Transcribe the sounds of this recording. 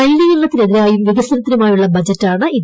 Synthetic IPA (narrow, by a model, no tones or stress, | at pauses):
ɐjlijilːɐt̪ːineðiɾaːjumʋiɡɐsɐnɐt̪ːiɾumaːjuɭːɐbɐd͡ʑɐtːaːɳɨʔi